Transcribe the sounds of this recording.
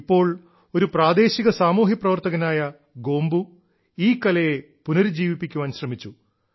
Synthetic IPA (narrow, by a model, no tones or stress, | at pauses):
pːo̞ːɭ | o̞ɾupraːd̪e̞ːɕiɣɐsaːmuːɦiprɐʋɐrt̪ɐɣɐnaːjɐ | ɡo̞ːmbu | iːkːɐlɐje | punɐɾd͡ʑiːʋipːikʲːuʋaːnɕrɐmit͡ɕːu